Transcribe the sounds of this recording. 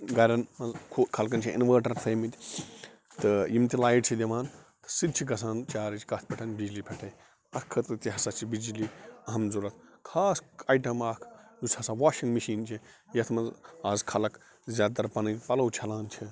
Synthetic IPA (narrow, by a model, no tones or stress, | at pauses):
ɡɐɾʲɐnmɐnzkʰoːt̪kʰɐlk̬ɐnt͡ʃʰiʔḭnʋəːʈɐntʰɐːmit̪ʲ | t̪ɨjimt̪ʲilaːiʈt͡ʃʰid̪ʲiʋaːnt̪ɨ̥sɨd̪̚t͡ʃʰiɡɐs̬aːnt͡ʃaːɾit͡ʃʰi̥kɐt̪̚ʰpʰʲɛʈʰɐnbid͡ʒlipʰɛʈʰɐj | ɐkʰːɐt̪ɨt̪iɦɐsat͡ʃʰibid͡ʒliɐɦɐmzuɾɐt̪̚ʰkʰaːsaːjʈɐmaːkʰjushɐsaʋaːʃĩŋɡmiʃiːnt͡ʃʰi | jɐt̪ʰmɐnzaːzkʰɐlɐk | zʲaːt̪ɐɾpɐnɐnpɐlɐwt͡ʃʰɐlaːnt͡ʃʰi